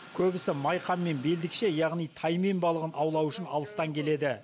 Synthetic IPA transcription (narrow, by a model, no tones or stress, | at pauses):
kʲʰɵbɪsɪmɑjqɑmːe̞nbe̞ld̪ɪkʃe̞jɑʁnijt̪ʰɑjme̞mbɑlˠəʁənɑwlˠɑwʏʃɪnɑ̰lˠəst̪ɑŋkʲʰe̞le̞d̪ɪ